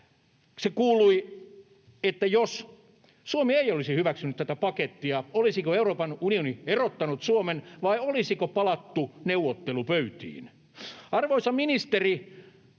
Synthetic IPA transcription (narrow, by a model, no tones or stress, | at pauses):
sekuːlui | et̪ːæjos | suomieiolisihyʋæksynyt̪tæt̪æpɑket̪ːiɑolisikoeuroːpɑnunionierot̪ːɑnut̪suomenʋɑiolisikopɑlɑt̪ːuneuwot̪ːelupøyt̪ḭːn | ɑrʋoisɑminist̪eri